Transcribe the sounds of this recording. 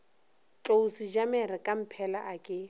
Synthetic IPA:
t͡ɬʼousid͡ʒamɪrɪkʼam̩pʰɛlaʔakʼɪ

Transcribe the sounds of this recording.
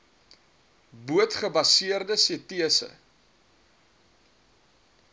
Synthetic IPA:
buətχəbɐsiərdəsiətiəsə̰

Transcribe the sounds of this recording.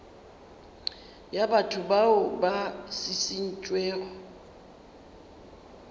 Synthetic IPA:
jabatʰʊbaʊbasɪsɪn̩t͡ʃʼwɛːɣɔ

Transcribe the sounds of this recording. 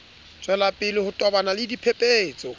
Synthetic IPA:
t͡sʼwɛlapʼɪlɪhʊtʼɔbanalɪdipʰepʼeːt͡sʼɔ

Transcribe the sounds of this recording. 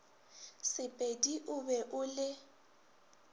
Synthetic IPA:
sɪpʼediʔʊbɛʔʊlɪ

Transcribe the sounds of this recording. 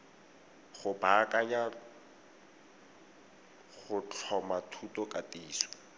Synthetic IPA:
χʊbakʼaɲa | χʊt͡ɬʰɔmatʰutɔkʼatiːswḁ

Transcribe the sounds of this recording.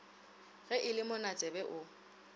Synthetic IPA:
ɣɛʔɪlɪmʊnat͡sʼɛbɛʔʊ

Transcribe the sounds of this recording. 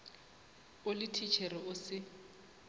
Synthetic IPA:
ʊlɪtʰit͡ʃʰɛrɪʊsɪ

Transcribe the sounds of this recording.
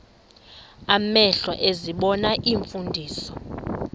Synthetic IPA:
amɛɬwa̰ʔeziɓɔnaʔiɱfundʱiːsɔ

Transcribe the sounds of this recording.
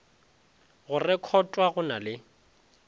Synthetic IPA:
ɣʊrɪkʰɔtʼwaɣʊnalɪ

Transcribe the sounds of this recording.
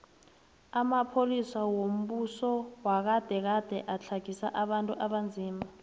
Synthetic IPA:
amapʰolisawom̩ɓusɔwak̬ad̥ʱɛk̬ad̥ʱɛʔat͡ɬʰaɡ̥ʱisa̰ʔaɓantʼuʔaɓand͡zʱiːma

